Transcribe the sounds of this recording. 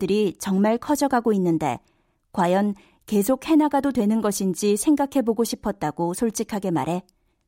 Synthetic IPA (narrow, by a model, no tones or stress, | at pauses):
dɯɾit͡ɕʌŋmaɭkʰʌd͡ʑʌɡaɡoinːɯnde̞̰ | kwajʌn | ke̞s̬ʰok̚he̞naɡadodwe̞nɯnɡʌɕʰind͡ʑisʰe̞ŋɡakʰe̞boɡoɕʰipʰʌt̚t͈aɡosʰoɭt͡ɕ͈ikʰaɡe̞ma̰ɾe̞